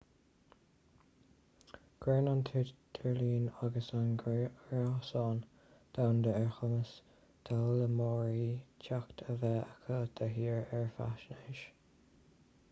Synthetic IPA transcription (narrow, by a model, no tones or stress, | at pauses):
ɡ̥ɾɛːnɑnt̪ʰɪdd̪̥ʰəɹliːnaɡəsanɡɹasɑːn | d̪̥awnd̪əɛɹxəməs | d̪̥alːəmɔːɹiːt͡ʃʰakt̪ʰəvɛəkʰəd̪̥ʰəɦiːɹɛɹfa̰ʃnəʃ